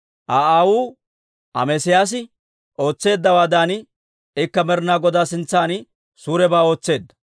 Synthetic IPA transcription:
ʔaːʔaːwuː | ʔɐ̰mɛsɪjaːs̬ɪ | ʔo̞ːt͡sːe̞ːd̪ːɐwaːd̪aːnɪ | ɪkːɐmɛɾnaːɡɔd̪aːsɪnt͡sːaːnɪ | suːɾɛbaːo̞ːt͡sːe̞ːd̪ːɐ̥

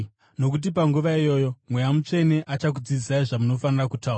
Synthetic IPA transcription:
no̞kut̬ipaŋɡuʋaijo̞ːjo̞mwe̞jamut͡ʂe̞ne̞ʔat͡ʃak̬ud͡zid͡zisaiʐamuno̞fanirakutaura

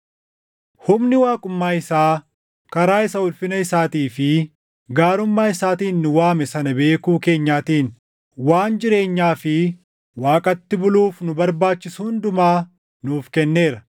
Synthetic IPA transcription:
hʊmnɪwaːkʼʊmːaːɪsaː | kɐɾaːɪsɐʊlfɪnɐɪsaːt̪iːfɪ | ɡaːɾʊmːaːɪsaːt̪iːnːʊwaːmɛsɐnɐbe̞ːkuːke̞ːɲːaːt̪iːn | waːnd͡ʒɪɾe̞ːɲːaːfɪ | waːkʼɐt̪ːɪbʊluːfnʊbɐɾbaːt͡ʃːɪsʊhʊnd̪ʊmaː | nuːfkɛnːe̞ːɾɐ

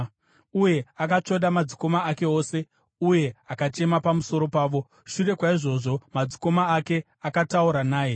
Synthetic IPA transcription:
uje̞akat͡ʂo̞ɗamad͡ziko̞maːke̞o̞ːse̞ | uje̞akat͡ʃe̞mapamuso̞ɾo̞paːʋo̞ | ʃure̞kwaiʐo̞ʐo̞mad͡ziko̞maːke̞ | akatauɾanaːje

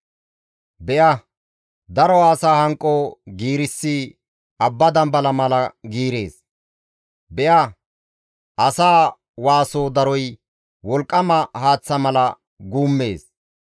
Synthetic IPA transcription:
bɛjɐ | d̪ɐɾɔaːsaːhɐŋkʼːoɡiːɾɪsːi | ɐbːɐd̪ɐmbɐlɐmɐlɐɡiːɾe̞ːs | bɛjɐ | ʔɐsaː | waːsoːd̪ɐɾɔj | wɔlkʼːɐmɐhaːt͡sːɐmɐlɐ | ɡuːmːe̞̰ːs

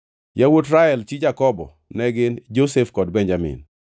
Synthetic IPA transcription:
jawotɾaɛlt͡ʃid͡ʒakɔbɔ̰ | nɛɡɪnd͡ʒosefkɔdbɛɲd͡ʒamɪ̰n

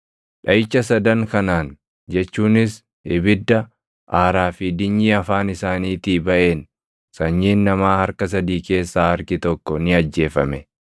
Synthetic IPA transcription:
ᶑɐɪt͡ʃːɐsɐd̪ɐŋkɐnaːn | d͡ʒɛt͡ʃːuːnɪs | ɪbɪd̪ːɐ | ʔaːɾaːfid̪ɪɲːiɐfaːnɪsaːniːt̪iːbɐʔeːn | sɐɲːiːnːɐmaːhɐɾkɐs̬ɐd̪iːke̞ːsːaːhɐɾkɪt̪ɔkːɔnɪɐd͡ʒːe̞ːfɐmɛ

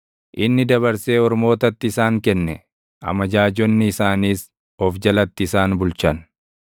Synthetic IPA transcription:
ʔɪnːɪd̪ɐβɐɾseːɔɾmo̞ːt̪ɐt̪ːɪːsaːŋkɛnːɛ | ʔɐ̰mɐd͡ʒaːd͡ʒɔnːɪɪsaːniːs | ɔfd͡ʒɐlɐt̪ːɪːsaːnbʊlt͡ʃɐn

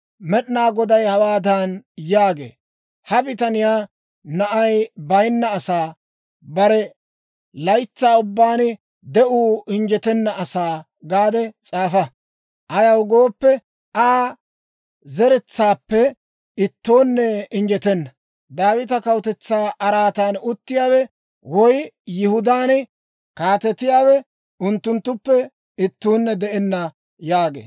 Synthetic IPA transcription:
mɛɗnaːɡɔd̪ɐjhɐwaːd̪aːnjaːɡḛː | hɐbɪt̪ɐnɪjaː | nɐʔɐjbɐjnːɐːsaː | bɐɾɛ | lɐjt͡sːaːʊbːaːnɪ | d̪ɛʔuːʔɪnd͡ʒɛt̪ɛnːɐɐsaː | ɡaːd̪ɛt͡sʼaːfɐ | ʔɐjɐwɡo̞ːpːɛ | ʔaː | zɛɾɛt͡sːaːpːɛ | ɪt̪ːoːnːɛɪnd͡ʒɛt̪ɛnːɐ | d̪aːwɪt̪ɐkɐwt̪ɛt͡sːaːʔɐɾaːt̪aːnʊt̪ːɪjaːwɛ | wɔjjɪhʊd̪aːn | kaːt̪ɛt̪ɪjaːwɛ | ʊnt̪ːʊnt̪ːʊpːɛ | ɪt̪ːuːnːɛd̪ɛʔɛnːɐ | jaːɡḛː

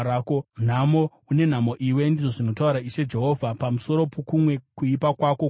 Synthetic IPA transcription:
akon̤amo | une̞n̤amo̞ʔiwe̞ndiʐo̞ʐino̞tauɾaiʃe̞d͡ʒe̞ɦo̞vʱapamuso̞ɾo̞pokumwe̞kuipakwako

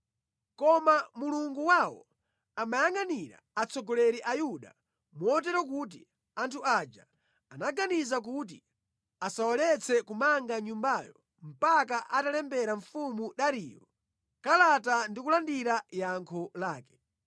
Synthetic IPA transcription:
kɔmamuluŋɡuwawɔ̰ | amajaŋaniɾa̰at͡sʰɔɡɔlɛɾiʔajuɗa | mɔt̬ɛɾɔk̬ut̬i | antʰuad͡ʒa̰ | anaɡanizak̬ut̬i | asawɔlɛt͡sʰɛkumaŋɡaɲumbajɔ | m̩pak̬aʔatalɛmbɛɾaɱfumuɗaɾḭːjɔ | kalatandikulandiɾajaŋkʰɔlaːkɛ̥

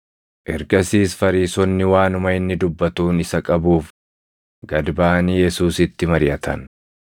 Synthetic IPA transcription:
ʔɛɾɡɐsiːsfɐɾiːsɔnːɪwaːnʊmɐɪnːɪd̪ʊbːɐt̪uːnɪsɐkʼɐbuːf | ɡɐd̪baːnɪjɛsuːsɪt̪ːɪmɐɾɪjɐt̪ʰɐ̰n

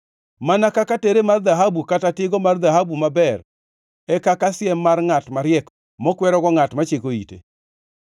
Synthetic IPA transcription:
manakakateɾemard̪aɦabukatatɪɡɔmard̪aɦabumabɛr | ɛkakasjɛmːarŋatmaɾjɛk | mɔkwɛɾɔɡɔŋatmat͡ʃekoḭtḛ

